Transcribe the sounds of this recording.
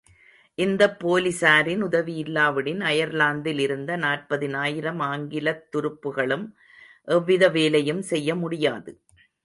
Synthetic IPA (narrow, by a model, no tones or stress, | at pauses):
ʔɪnd̪ɐpːoːlɪsaːɾɪnʊðɐʋiɪlːaːʋɐɽɪnɐjɐɾlaːnd̪ɪlɪɾɯnd̪ɐnaːʈ̚pɐðɪnaːjɪɾɐmaːŋɡɪlɐt̪ːʊɾɯpːɯɣɐɭɯm | ʔɛʋːɪðɐʋeːlɐjɯmsɛjːɐmʊɽɪjaːðɯ